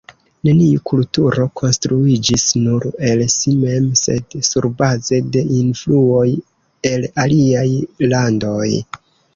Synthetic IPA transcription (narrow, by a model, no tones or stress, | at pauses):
ne̞niukʰultuɾo̞kʰo̞nstɾuid͡ʒisnuɾe̞lsime̞mse̞̰dsuɾbaze̞de̞ʔinfluo̞j | e̞laliajlando̞j